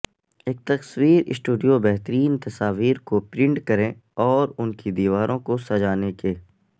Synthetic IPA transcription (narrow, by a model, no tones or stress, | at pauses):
eːk̚t̪ɐswiːɾɪ̰sʈuːɖijobɛɦt̪əɾiːnt̪ɐsaːʋiːɾkopɾɪ̃ɳʈkɐɾẽɔːɾʊnkid̪iːʋaːɾʔõkosɐd͡ʒaːnekeː